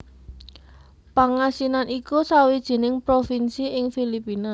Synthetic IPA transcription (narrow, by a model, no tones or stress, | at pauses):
paŋasinanʔikusawid̥ʒ̥i̤nɪŋpɾofinsiʔɪŋfilipina